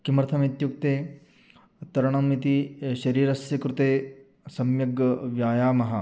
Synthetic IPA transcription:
kimɾt̪ʰɐmit̪juk̚t̪eː | t̪ɐɾɐɳɐmit̪iʃɐɾiːɾɐsjɐkɾut̪eː | sɐmjɐɡɐʋjaːjaːmɐɦɐ̆

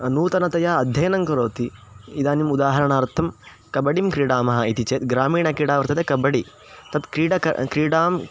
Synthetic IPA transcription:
nuːt̪ɐnɐt̪ɐjaːɐd̪ʱjɐjɐnɐŋkɐɾoːt̪i | id̪aːnimud̪aːɦɐɾɐɳaːɾt̪ʰːɐm | kɐbɐɽimkɾiːɽaːmɐɦɐit̪it͡ʃeːt̪̚ɡɾaːmiːɳɐkɾiːɽaːʋɐɾt̪ɐt̪ekɐbɐɽi | t̪ɐt̪kɾiːɖɐ̰kɾiːɽaːm

